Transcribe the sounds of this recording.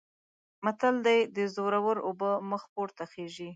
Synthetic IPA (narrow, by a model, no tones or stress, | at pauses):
mat̪ald̪ajd̪əzoɾawəɾobəməxpoɾt̪axeʒi